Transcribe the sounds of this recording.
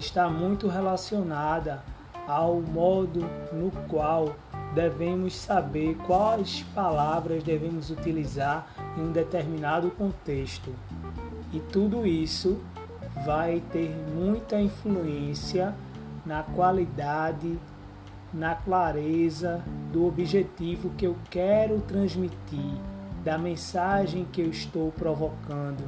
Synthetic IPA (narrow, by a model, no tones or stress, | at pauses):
ɪʃt̪amũj̃t̪ʊɦɛlasionad̪ɐ | awmɔd̪ʊnʊkwaw | d̪ɛvẽmʊssabeɾkwaspalavɾɐzd̪ɛvẽmʊzut̪ilizaɾẽj̃ũd̪ɛt̪eɾmĩnad̪ʊkõt̪eʃt̪ʊ | ɪt̪ud̪ʊisʊ | vajt̪eɾmũj̃t̪ɐĩfluẽsiɐ | nɐkwalid̪ad̪ɪ | nɐklaɾezɐd̪ʊobiʒet̪ivʊkɪewkɛɾʊt̪ɾɐ̃zmit̪iɾd̪ɐmẽsaʒẽj̃kɪewiʃt̪owpɾɔvɔkɐ̃d̪ʊ